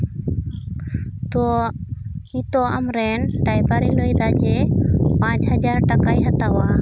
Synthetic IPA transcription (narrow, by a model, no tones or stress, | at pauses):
t̪ɔ | ĩt̪ɔamɾɛnɖajbaɾilojd̪ad͡ʒɛpãt͡ʃhad͡ʒaɾʈakajɦat̪awa